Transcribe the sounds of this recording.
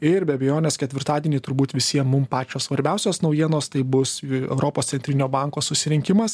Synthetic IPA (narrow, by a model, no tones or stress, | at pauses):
ɪɾbʲɛɐbʲɛjoːnʲeskʲɛt̪ʲʋʲɪɾt̪ɑːd̪ʲiɛnʲiːt̪ʊɾbuːt̪ʋʲɪsʲiɛmmʊmpɑːt͡ʃʲoːssʋɐɾʲbʲɛˑʊsʲoːsnɒʊjiɛnoːst̪ɐɪbʊsɛ̰ʊɾoːpossʲɛnʲt̪ɾʲɪnʲoːbɑˑŋkoːssʊsʲɪɾʲɪŋʲkʲɪmɐs